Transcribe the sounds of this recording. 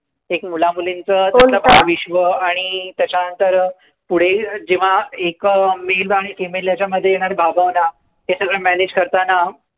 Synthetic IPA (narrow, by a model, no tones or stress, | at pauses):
ekmulamulint͡sətaəbʱaʋiɕʋəaɽ̃it̪jat͡ɕjanənt̪əɾ | puɽ̤ed͡ʑiʋ̤aekmelbaɭekemeljat͡ɕjaməd̪ʱːjejeɽ̃aɾebʱaɡʱaʋna | ɦesəɡɭəmæned͡ʑkəɾt̪ana